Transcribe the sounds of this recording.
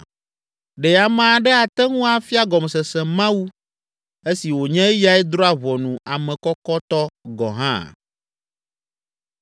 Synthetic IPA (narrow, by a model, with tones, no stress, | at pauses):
ɖɛ˨a˨mã˦˨ɖɛ˦a˨t̪ɛ˦ŋũ˦a˨fi˦a˦ɡɔ˨m˨sɛ˨sɛ̃˨mã˦wu˦ | e˦si˨wo˨ɲɛ̃˦ja˦ɛ˦d̪ɾɔ˦a˨βɔ˨nũ˨a˨mɛ̃˨kɔ˦kɔ˦t̪ɔ˦ɡɔ̰˨ɦã̰˦